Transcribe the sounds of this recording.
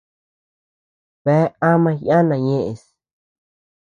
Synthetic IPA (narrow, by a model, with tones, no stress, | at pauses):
βe˨˦a˦mã˧jã˦nã˨ɲẽ˦ʔe˨s